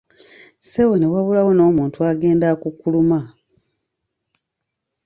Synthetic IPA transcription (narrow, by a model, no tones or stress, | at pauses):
sewoniwaβulawo̞no̞ːmuːntuaɡe̞ːndakukːuluma